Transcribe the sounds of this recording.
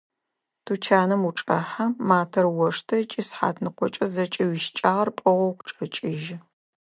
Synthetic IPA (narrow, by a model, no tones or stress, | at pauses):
tʰut͡ʃʰaːnɨmuʈ͡ʂʼɐħamaːtʰɐrwɔʂtʰɐt͡ʃʼisħa̰ːtʰnɨqʷɔt͡ʃʼɐzɐt͡ʃʼɐwɪʃt͡ʃʼaːʁɐrpʼɐʁʷɔwqʷʊʈ͡ʂʼɐt͡ʃʼɪʒ